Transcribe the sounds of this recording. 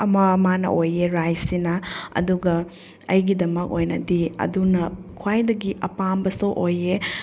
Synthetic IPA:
ɐmɐmanɐ̰ʔojeɾajsinɐɐ̰duɡɐ | ɐjɡidɐmɐk̚ojnɐdiɐ̰dunɐkʰwajdɐɡiʔɐpambɐsoʔoje

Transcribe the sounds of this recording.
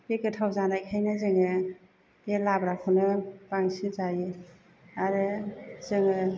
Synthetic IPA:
bekɯtʰawzanajkʰajnɯzɯŋɯ | elabɾakʰɯnɯbaŋsinzaji | aɾɯzɯŋɯ

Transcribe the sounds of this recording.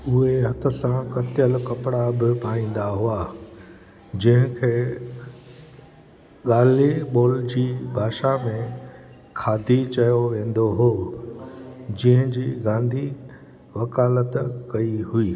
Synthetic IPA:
ʊɦeɦɐt̪ʰə̆sãkɐt̪jəlkɐpɽabɪpaːĩːn̆d̪aɦuaː | d͡ʑɐ̃ɦɪ̃kʰeː | ɠaːliɓoːld͡ʑiːbʱaːʃamẽ | kʰaːd̪ʱit͡ɕɐjoʋẽːn̆d̪oɦoː | d͡ʑɪɦɪ̃d͡ʑiːɡãːnd̪ʱi | ʋɐkaːlət̪kɐiɦuiː

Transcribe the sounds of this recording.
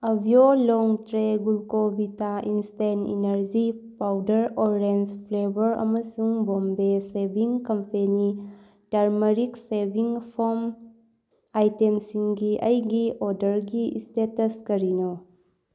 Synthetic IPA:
ɐbʱjolɔŋtɾeɡulkobitaʔinstenḭnɐɾd͡ʒipawdɐɾɔɾɾenspʰlebɐɾɐ̰mɐsuŋbombesebʱiŋkɐmpʰeni | taɾmɐɾiksebʱiŋpʰɔɾm | ajtemsiŋɡiʔɐjɡiɔɾdɐɾɡiistetɐskɐɾinɔ

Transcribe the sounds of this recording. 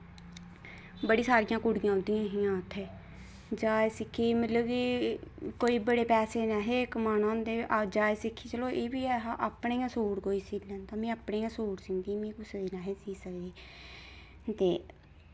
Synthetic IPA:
bəɽiːsaːɾɪjãːkʊɽɪjãːʊnd̪ijãːɦɪjãːʊt̪ʰːeː | d͡ʒaːesɪkʰːiːmət̪ləbkiːkoːiːbəɽeːpɛːseːnaɦeːkəmaːnãːnd̪eʔad͡ʒaːeːsɪkʰːiːt͡ʃəloːʔeːbiːɛɦaʔaːpɳeːãːsoːɽkoːiːsiːlənt̪ãːmĩːaːpɳeːãːsoːɽsɪ̃ːnd̪imĩːkʊsd̪eːnaːɦeːsiːsəkd̪eː | t̪eː

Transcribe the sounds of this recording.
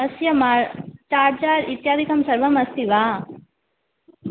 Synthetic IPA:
ɐsjɐmat͡ʃaːʈt͡ʃaːɾit̪jaːd̪ʱikɐmsɐɾʋɐmɐst̪iʋaː

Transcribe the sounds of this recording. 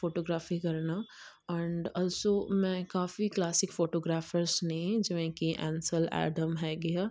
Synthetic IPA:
foːʈoːɡɾaːfikɐɾna | ɛ̃ːɳɖɔːlsomɛ̃kaːfiklaːsɪkfoːʈoːɡɾaːfəɾsnɐɦĩd͡ʒmẽkiʔɛ̰̃ːnsəlɛ̰ːɖəmɦɛɡɐjaː

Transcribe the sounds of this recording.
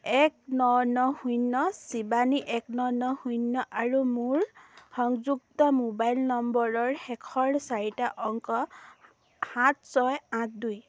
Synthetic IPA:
ɛk̚nɔnɔhujnːɔsibaniʔɛknɔnɔhujnːɔʔaɹumuɹxɔŋzuk̚tɔmobajlnɔmbɔɹɔɹhɛkʰɔɹsaɹitaʔɔŋkɔ | hãt̚sɔjãt̚duj

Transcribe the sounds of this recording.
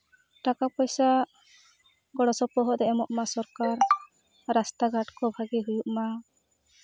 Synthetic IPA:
ʈakapɔjsa | ɡɔɽɔsɔpɔɦɔʔd̪ɛɛmɔʔmasɔɾkaɾ | ɾast̪aɡaʈkɔbʱaɡiɦujuʔma

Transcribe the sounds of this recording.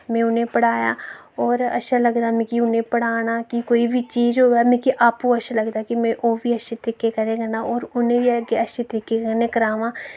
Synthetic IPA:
mɛ̃ːʊnẽpəɽ̤aːja̰ːɔːɾɐ̰ʃʰalɐɡd̪aːmẽkiʊnẽpəɽ̤aːnaːkikoːibʱit͡ʃiːd͡ʒɦoɛmẽkiʔaːpkoɐʃʰalɐɡd̪aːkimẽʔoːbʱiɐʃet̪əɾɪkekɐɾẽɡənaɔːɾʊnẽbiɡeɐʃet̪əɾɪkekənẽkɐɾaːʋãː

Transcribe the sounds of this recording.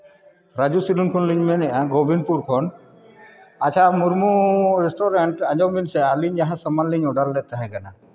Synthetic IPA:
ɾad͡ʒusilunkʰɔnliɲmɛnɛʔaɡobʱinpuɾkʰɔn | at͡ʃʰamuɾmuɾɛsʈɔɾeɳʈaɲd͡ʒɔmbinsɛaliɲaɦãsəmanliɲɔɖalːɛt̪aɦɛ̃kana

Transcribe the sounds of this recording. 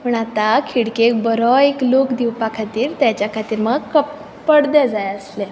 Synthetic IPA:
məɳat̪akʰiɽkek̚bəɾɔeklokd̪iwpakʰat̪iːɾt̪jat͡ɕjakʰat̪iːɾməɡkəp | pəɽd̪ɛd͡zajəsle

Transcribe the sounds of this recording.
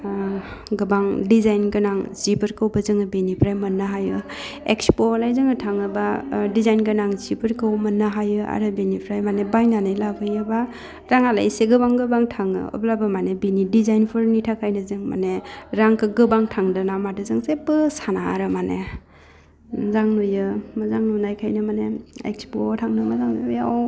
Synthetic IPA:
ɡɯbaŋdizajnɡɯnaŋzibɯɾkɯwbazɯŋɯbenipʰɾajmɐnːaɦajɯekspolajzɯŋɯtʰaŋɯbadizajnɡɯnaŋzibɯɾkɯwmɐnːaɦajɯa̰ɾɯbenipʰɾajmanebajnanɯjlabɯjɯba | ɾaŋala̰jseɡɯbaŋɡɯbaŋtʰaŋɯ̰ɔ̰blabamanebinidizajnpʰɯɾnitʰakʰajnɯzɯŋma̰neɾaŋkʰɯɡɯbaŋtʰaŋdɯnamadɯzɯŋsepɯsanaɾɯmane | zaŋnujɯmazaŋnunajkʰajnɯmaneḛkspotʰaŋdɯmazaŋnɯjaw

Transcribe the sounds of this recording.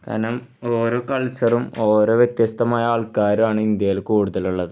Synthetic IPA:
t̪ʰɐ̰nɐm | oːɾoːkɐɭt͡ɕɐrumo̞ːɾo̞ːʋjet̪jɐst̪ʰɐmaːjɐaːɭkaːɾumaːɳɨind̪jɐjilkuːɽuðɐluɭːɐðɨ

